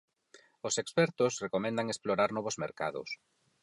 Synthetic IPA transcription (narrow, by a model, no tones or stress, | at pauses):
ʊsekspɛɾt̪ʊsrekomɛ̃nd̪aŋesploɾaɾnɔβozmḛɾka̰ðʊ̰s